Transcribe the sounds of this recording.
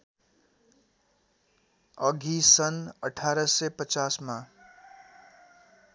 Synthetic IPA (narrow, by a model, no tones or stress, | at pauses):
ʌɡʱisʌnʌʈʰaɾʌsʌpʌt͡sasma